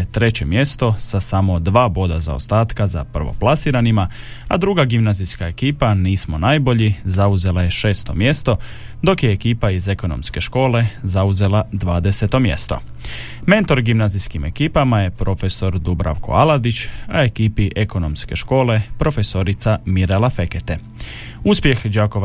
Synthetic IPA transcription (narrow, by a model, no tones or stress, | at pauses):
t̪ɾe̞t͡ɕe̞mje̞st̪o̞sasamo̞d̪ʋaːbo̞d̪aza̰ost̪aːt̪kaza̰pr̩ʋo̞̰plˠasiːɾanima | a̰d̪ɾuːɡaɡimnazijskae̞kiːpaniːsmo̞naːjbo̞ʎizauze̞lˠaje̞ʃe̞ːst̪o̞̰mje̞st̪o̞ | d̪o̞kjeːkiːpaize̞ko̞no̞̰mske̞ʃko̞ːle̞zauze̞lˠad̪ʋaːd̪eset̪o̞mje̞̰st̪o̞̰ | me̞nt̪o̞ɾɡimnaːzijskime̞kiːpamaje̞pɾo̞fe̞so̞ɾd̪ubɾʔa̰ʋko̞̰alad̪it͡ɕae̞kiːpiʔeko̞no̞̰mske̞ʃko̞ːle̞pɾo̞fe̞so̞ɾit̪samiɾelafeket̪e | uspje̞xd͡ʒaːko̞ʋ